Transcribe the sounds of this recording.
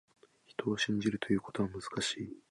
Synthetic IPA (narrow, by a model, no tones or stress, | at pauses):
çi̥t̪o̞ːɕĩɲ̟d͡ʑiɾɯ̟t̪o̞jɯ̟ːko̞̥t̪o̞βamɯ̟z̥ɨ̥kaɕiː